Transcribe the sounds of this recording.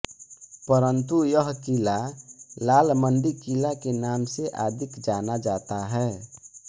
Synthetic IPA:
pəɾənt̪ujəɦkilalaːlmənɖ̪ikilakenaːmseʔaːd̪ʱɪkd͡ʒaːnad͡ʒaːt̪aɦɛː

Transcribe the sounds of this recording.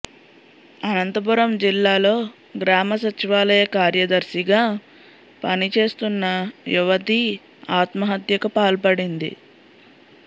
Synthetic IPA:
ɐnɐnt̪ɐbuɾɐmd͡ʒilːaːlo̞ː | ɡɾaːmɐsɐt͡ʃiʋaːlɐjɐkaːɾjɐd̪ɐɾʃiɡaː | pɐnit͡ʃe̞ːst̪unːɐjuʋɐt̪i | aːt̪mɐɦɐt̪jɐkɐpaːlpɐɽind̪ḭ

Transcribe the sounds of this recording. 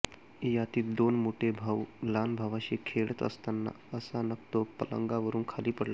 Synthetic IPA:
jat̪iːd̪onmoʈʰebʱaʋlanbʱaʋaɕekʰeɭət̪ə̰st̪anːa̰ | əsanəkt̪opələ̰ŋɡaʋəɾuːnkʰaliːpəɽla

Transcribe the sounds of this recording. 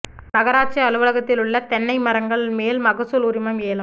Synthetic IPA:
nɐɣɐɾaːʈ̚t͡ʃiɐlɯʋɐɭɐɣɐt̪ːɪlɯɭːɐt̪ɛnːɐɪmɐɾɐŋɡɐɭɪlmeːlmɐɣɐsʊlʊɾɪmɐmeːlɯm

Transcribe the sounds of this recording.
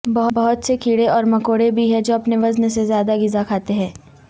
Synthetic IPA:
bɐɦʊbɐɦʊt̪sekʰiːɽeɔːɾmɐkoːɽebʱiɦɛd͡ʒoːɐpneʋɐznsezjaːd̪aɡɪzakʰaːt̪eɦɛ̃ː

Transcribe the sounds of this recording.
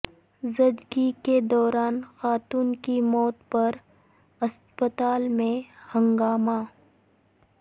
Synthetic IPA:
zɐd͡ʒɡiked̪ɔːɾaːnxaːt̪uːnkimɔːt̪pɐɾ | ɐs | pət̪aːlmẽhɐ̃ŋɡaːma

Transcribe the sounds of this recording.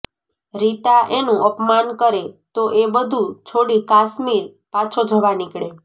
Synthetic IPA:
ɾit̪aʔenũʔəpmankəɾet̪oʔebəd̪ʱut͡ʃʰoɽikasmiɾ | pat͡ʃʰod͡ʒʱəʋanɪkɭe

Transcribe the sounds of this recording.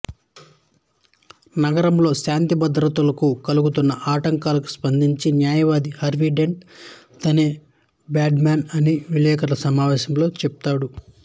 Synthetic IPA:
nɐɡɐɾɐmlo̞ːʃaːnt̪ibɐd̪ɾɐt̪ulɐkukɐluɡut̪unːɐʔaːʈɐŋkaːlɐku̥spɐnd̪ʱiɲt͡ʃinjaːjɐʋaːd̪ihɐɾʋiɖe̞ɳʈ | t̪ɐneː | baːɖmaːnɐniʋilɛːkɐlɐsɐmaːʋɛːʃɐmlo̞ːt͡ʃɛp̚t̪aːɽu

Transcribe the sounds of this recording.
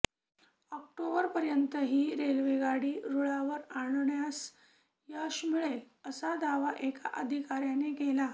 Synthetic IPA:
ɔk̚ʈobəɾpəɾjənt̪əɦiːɾelʋeɡaɽiːɾuɭaʋəɾaɽɳjas | jaɕmiɭel | əsad̪aʋaʔeka̰ʔəd̪ʱikaɾjaneɡela

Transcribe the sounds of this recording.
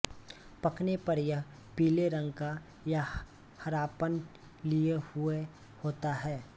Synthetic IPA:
pɐknepɐɾjə | piːleɾə̃ŋɡka | ja | hɐɾaːpən | liehʊe | hoːt̪aɦɛː

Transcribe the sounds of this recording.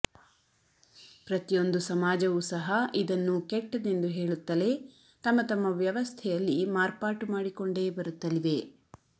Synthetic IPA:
pɾɐt̪ijo̞nd̪usɐmaːd͡ʒɐʋusɐɦɐʔid̪ɐnːukeʈːɐne̞nd̪uɦe̞ːɭut̪ːɐle̞ | t̪ɐmːɐt̪ɐmːɐʋjɐʋɐst̪ʰɛjɐlːimaːɾpaːʈumaːɽiko̞ɳɖe̞ːbɐɾut̪ːɐliʋe̞

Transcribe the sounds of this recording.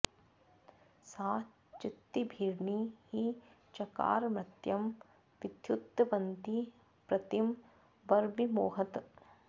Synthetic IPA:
saː | t͡ʃɪt̪ːibʱiːɾɳihi | t͡ʃɐka̰ːɾmɾɐt̪jɐm | ʋid̪jut̪ːɐʋɐnt̪i | pɾɐt̪im | bɐɾbimoːɦɐt̪

